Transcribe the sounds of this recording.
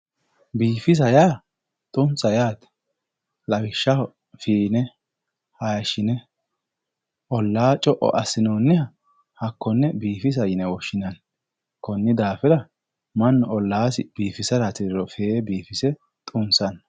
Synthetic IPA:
biːfɪs̬ɐjaː | t̪ʼʊnsʼɐjaːt̪ | lɐbɪʃːɐ | fiːnɛ | hɐjʃɪnɛ | ʔɔlːaːt͡ʃʼɔʔɔ̰ʔɐsɪnoːnːɛhɐ | hɐkːɔnːɛbiːfɪs̬ɐjɪnɛwɔʃːɪnɐn | kɔnːɪd̪aːfɛd̪ɐ | mɐnːɔɔlːaːsɪb̥iːfɪsɐɾɐt̪ɪd̪ɪɾɔfebiːfɪsɛ | t̪ʼʊnsɐn

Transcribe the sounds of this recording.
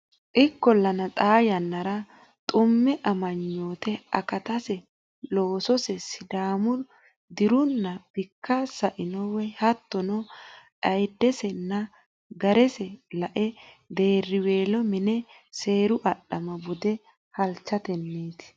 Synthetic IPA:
ʔɪkːɔlːɐnɐt̪ʼaːjɐnːɐɾɐ | t̪ʼʊmːɛʔɐmɐɲːo̞ːt̪ɛɐ̰kɐt̪ɐsɛ | lo̞ːsɔsɛsɪd̪aːmʊ | d̪ɪɾʊnːɐb̥ɪkːasɐʔɪnɔwɛhɐt̪ːɔnɔʔɐjd̪ːɛsɛnːɐ | ɡɐɾɛsɛlɐʔɛ | d̪e̞ːrːɪwe̞ːlɔmɪnɛ | se̞ːɾʊʔɐɗɐmɐbʊd̪ɛ | hɐlt͡ʃːɐt̪ɛnːeːt̪ɪ̥

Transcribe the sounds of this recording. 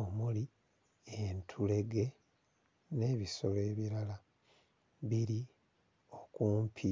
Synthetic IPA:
omuli | entʰule̞ɡe̞ | ne̞ːβiso̞le̞ːβiɾala | βiɾi | o̞kuːmpʰi

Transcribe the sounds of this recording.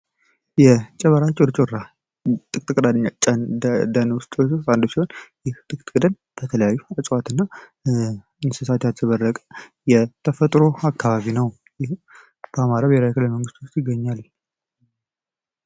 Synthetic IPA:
jɛt͡ʃʼɛβəɾat͡ʃʼɪɾt͡ʃʼoɾa | t̪ʼɨkʼt̪ʼɨkʼd̪ad̪ɲad̪anwʊst̪ʼːand̪osihonjɪht̪ʼɨkʼt̪ʼkʼɨd̪ən | b̥ət̪ʰələjajːut͡ʃʼwat̪ʰɨnːa | ɨnsɨsat̪ʰjat̪t̪ʰəβərːəkʼə | jɛt̪ʰəfət̪ʼɾo̞akʰːaβaβinəw | jɪh | b̥əamaɾaβɛɾajkɨləlməŋɡɨst̪wʊst̪jɪɡːəɲːal

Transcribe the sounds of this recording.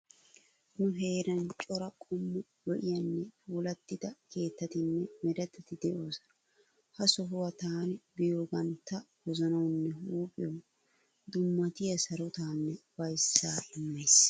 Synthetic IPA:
nʊɦe̞ːɾɐnt͡ʃʼɔɾɐkʼɔmːʊ | lɔʔɪjɐnːɛfuːlɐt̪ːɪd̪ɐkʰe̞ːt̪ːɐt̪ɪnːɛmɛɾɐt̪ːɐt̪ɪd̪ɛʔo̞ːs | hɐsɔɦʊwɐt̪aːnbɪjoːbɐnt̪ːɐ | wɔzɔnɐwnːɛhuːpʼɪjɔ | d̪ʊmːɐt̪ɪjɐsɐɾʊt̪aːnːɛwɐjsːaːɪmːejs

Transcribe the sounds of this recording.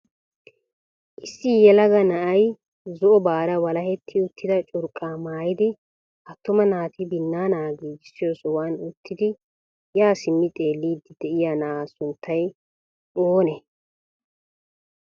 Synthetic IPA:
ʔɪsːɪjɛlɐɡɐnɐʔɐj | zɔʔɔbaːɾɐwɐlɐhɛt̪ʰːɪʊt̪ːɪd̪ɐt͡ʃʼʊɾkʼːaːmaːjɪd̪ɪ | ʔɐt̪ːʊmɐnaːt̪ɪbɪnːaːnaːɡiːd͡ʒɪsːɪjoːsɔwaːnʊt̪ʰːɪd̪ɪ | jaːsɪmːɪt̪ʼe̞ːlːiːd̪ɪd̪̥ɛʔɪjaːnɐʔaːsʊnt̪ʰːɐj | ʔoːnɛ

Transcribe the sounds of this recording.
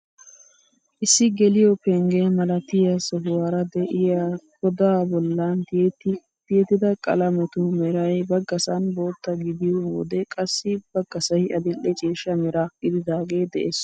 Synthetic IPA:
ʔɪsːɪɡɛlɪjɔpɛŋɡeːmɐlɐt̪ɪjɐsɔɦʊwaːɾɐd̪ɛʔɪjaɡɔd̪aːbɔlːant̪t̪ | t̪ɪjɛt̪ːɪd̪ɐkʼɐ̰lɐmɛt̪ʊmɛɾɐjbɐɡɐsɐnbo̞ːt̪ːɐɡɪd̪ɪjɔwɔ̰d̪ɛkʼɐsːɪb̥ɐɡɐsɐjɐd̪ɪlːɛt͡ʃʼiːʃːɐmɛɾaːkʼːɪd̪ɪd̪aːɡe̞ːd̪ɛʔeːs

